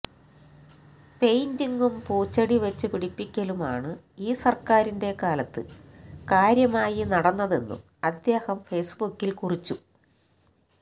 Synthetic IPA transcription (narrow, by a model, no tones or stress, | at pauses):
pe̞jndiŋɡumpuːt͡ɕːɐɽiʋɐt͡ɕːɨpiɽipːikʲːɐluma̰ːɳɨ | iːsɐrkaːɾinde̞kaːlɐt̪ːɨ̰kaːɾjɐmaːjinɐɽɐnːɐðe̞nːṵm | ɐd̪jeːhɐmfe̞ːsbukːilkurit͡ɕːu